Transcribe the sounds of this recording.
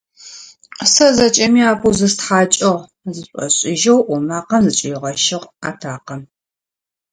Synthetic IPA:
sɐzɐt͡ʃʼɐmiaːpʰuwzɨstħaːt͡ʃʼɐʁ | zɨɕʼɔ̰ɕʼɪʒɐwʔʷɔmaːqɐmzɨt͡ʃʼɪjʁɐʃɪʁaːtʰaːqɐn

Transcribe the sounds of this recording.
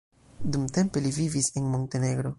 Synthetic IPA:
dumte̞mpe̞livivise̞nmo̞nte̞ne̞ɡɾo̞

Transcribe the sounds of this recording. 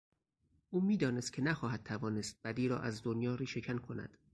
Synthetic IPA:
ʔuːmiːd̪ɒːnest̪̚cʰe̞næxɒːɦæd̪̚t̪ʰævɒːne̞st̪̚bæd̪iːɾɒ̰ːʔæzd̪onjɒːɾiːʃe̞cʰænkʰo̞næ̰d̪̥

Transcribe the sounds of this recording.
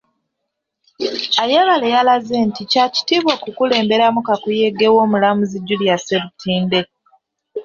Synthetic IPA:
ajaβalejalazeːnticaci̥tiβwokukule̞ːmbe̞ɾamukakuje̞ɡe̞wo̞ːmulamuziɟːuljaseβutiːnde̞

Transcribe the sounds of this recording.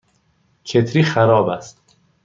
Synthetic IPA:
t͡ʃʰe̞t̪ʰɾiːxæɾɒːbæst̪

